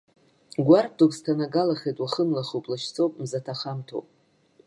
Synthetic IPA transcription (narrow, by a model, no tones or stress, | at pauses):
ɡʷar̚dokstʰanaɡalaχʲejtʼwaχənlaχowpʼlaʃt͡sʰowpʼmzatʰaχamtʰo̰wpʼ